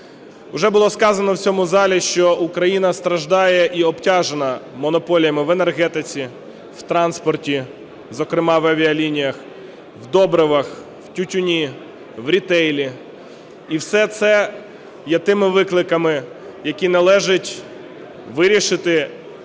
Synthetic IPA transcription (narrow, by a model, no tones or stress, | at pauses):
ʊʒɛbʊlˠɔskɑzɐnɔwt͡sʲɔmʊzɑlʲiʃt͡ʃɔukɾɐjinɐst̪ɾɐʒd̪ɑjɛʔiɔbtʲɑʒenɐmɔnɔpɔlʲjɐmɪʋenerɦɛt̪ɪt͡sʲi | w̥t̪ɾɑnspɔrtʲi | zɔkɾɪmɑʋɐʋʲiɐlʲinʲijɐx | wd̪ɔbɾɪʋɐx | wtʲʊtʲʊnʲi | wɾʲit̪ɛjlʲi | iwsɛt̪sɛ | jɛt̪ɪmɪʋɪklˠɪkɐmɪ | jɐkʲinɐlˠɛʒɪtʲ | ʋɪɾʲiʃɪt̪ɪ